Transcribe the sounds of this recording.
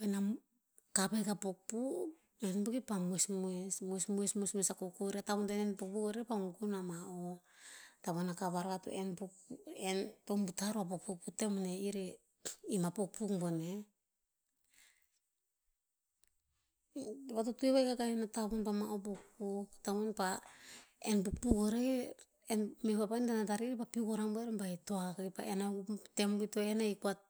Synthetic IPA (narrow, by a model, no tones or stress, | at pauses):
ena | kapaɡapok̚pu | enbukipamuesmuesmuesmuesmuesmuesakokoɾeataβontenenpok̚pukoɾepamuɡunamao | taβonakaβaɾɡato̰enpukentombutaɾoap̬ok̚puk̚putemoneiɾe | imapok̚pukbone | βatotueβajkaɡainataβonpamaʔobokpuktaβonpa | enpuk̚pukoɾe | enmeβapaindanataɾiɾepapiukoɾaŋboeɾebaitoakajpa̰ʔenatembutoenaikuat̚